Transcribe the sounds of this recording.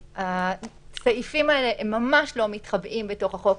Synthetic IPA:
a | saifimaeleʔemːamaʃlo̞mitχabʔimbeto̞χhaχo̞k

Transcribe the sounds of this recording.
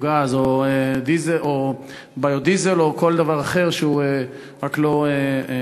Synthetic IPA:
ɡazoed̪izeʔo | bajod̪izelo̞ko̞ld̪avaʁaχe̞ʁʃeue | ʁaklo̞e

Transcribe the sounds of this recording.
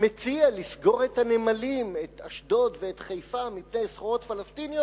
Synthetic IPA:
met͡sialisɡo̞ʁe̞thanemalimet̪aʃdo̞tveːtχejfamipnejsχoʁo̞tfalastinijo

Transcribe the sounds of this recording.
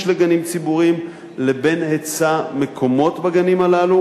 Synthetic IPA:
ʃleɡanimt͡sibuʁim | lebe̞nhet͡same̞kʰo̞mo̞tbaɡanimalalu

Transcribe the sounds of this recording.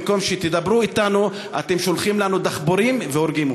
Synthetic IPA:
ko̞mʃet̪id̪abɾuit̪anu | at̪emʃo̞lχimlanud̪aχbo̞ɾimveoɾɡim

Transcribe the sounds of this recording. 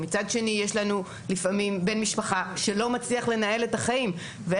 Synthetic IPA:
mit͡sadʃe̞nije̞ʃlanu | lifamimbe̞nmiʃpaχaʃelo̞mat͡sliaχle̞nae̞le̞taχaim | ve

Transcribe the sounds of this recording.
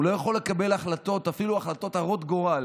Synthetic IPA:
lo̞jaχo̞lːe̞kabe̞laχlat̪o̞t̪afiluaχlat̪o̞t̪aʁo̞t̪ɡoʁal

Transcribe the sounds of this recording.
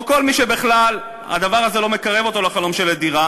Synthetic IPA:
ko̞lmiʃebiχlal | a̰d̪avaʁazelo̞me̞kaʁe̞vo̞t̪o̞laχalo̞mʃeled̪iʁa

